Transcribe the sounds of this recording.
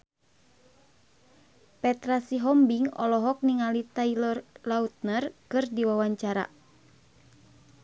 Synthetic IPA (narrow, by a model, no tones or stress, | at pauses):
pɛt̪ɾasiɦɔmbiŋɔ̰lɔɦɔk̚niŋalit̪ailɔrlaut̪̚nərkɨrdiwawaɲt͡ʃaɾa̰